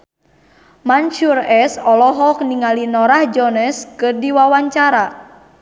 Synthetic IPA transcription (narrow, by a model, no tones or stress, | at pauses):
mant͡ʃurɛsɔlɔɦɔk̚niŋalinɔɾahd͡ʒɔnɛskɨrdiwawaɲt͡ʃaɾa